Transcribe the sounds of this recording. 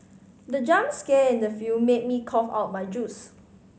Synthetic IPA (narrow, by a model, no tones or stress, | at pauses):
dəd͡ʒãmskeɪ̃ndəfjumet̚mikʰɔfa̰ʊt̚majd͡ʒus